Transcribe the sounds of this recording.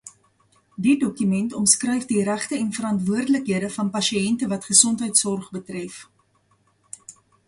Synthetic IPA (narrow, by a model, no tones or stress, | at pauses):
didɔkymɛntɔmskrœjfdiɾæχtəɛnfəɾɐntvuərdələkɦiədəfɐnpɐʃiɛntəvɐtχəsɔntɦəjtsɔrχbətrɛf